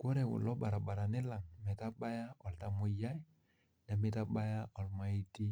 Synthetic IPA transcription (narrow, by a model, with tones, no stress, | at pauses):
ko˦ɾɛ˨wʊ̰˨lɔ˦ba˨ɾa˨ba˨ɾa˨nɪ˦la˨ŋmɛ˨ta˦ba˦ja˦ɔ˨lta˦mʊ˦ja˦j | nɛ˨mɪ˦ta˦ba˦ja˦ɔ˨lma˨i˦ti˦